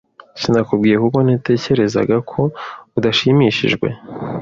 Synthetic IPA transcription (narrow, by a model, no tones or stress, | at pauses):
sindakubɡiːjekuko̞n̥ite̞ːce̞ɾe̞za̰ɡakʰo̞udaʃimiʃḭʒɡwe̞̰